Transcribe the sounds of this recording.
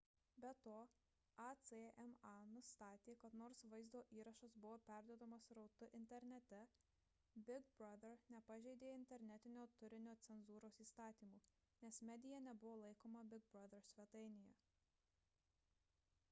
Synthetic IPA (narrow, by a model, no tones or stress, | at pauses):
bʲɛt̪oː | ɑt̪seɛmɑnʊst̪ɑːt̪ʲeːkɐt̪noːɾsʋɐɪzd̪oːʔiːɾɐʃɐsbʊʋoːpʲæˑɾʲd̪ʲoːd̪ɐmɐsɾɒʊt̪ʊʔɪnʲt̪ʲɛɾʲnʲɛt̪ʲɛ | bʲɪɡ̚bɾɐd̪ʲɛɾnʲɛpɐʒʲɛɪd̪ʲeːɪnʲt̪ʲɛɾʲnʲɛt̪ʲɪnʲoːt̪ʊɾʲɪnʲoːt̪sʲɛnzuːɾoːsiːst̪ɑːt̪ʲiːmuː | nʲɛsmʲɛd̪ʲɪjɛnʲɛbʊʋoːlˠɐɪkoːmɐbʲɪɡ̚bɾɐd̪ʲɐɾsʲʋʲɛt̪ɐɪnʲɪjɛ